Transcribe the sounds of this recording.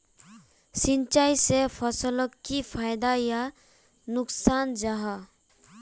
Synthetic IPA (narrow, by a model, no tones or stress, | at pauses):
sint͡ʃajsepʰəsələkːipʰajd̪aja | nʊksand͡ʒaɦa